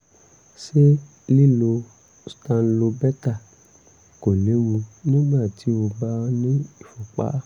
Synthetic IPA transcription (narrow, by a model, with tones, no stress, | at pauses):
ʃe˦ | li˦lo˧ | stã˧n̩˦lo˧bɛ˦ta˦˨ | ko˨le˨˦mũ˧nĩ˦ɡ͡ba˦˨ti˨˦o˧ba˦nĩ˦i˦˨fo˨k͡pa̰˨˦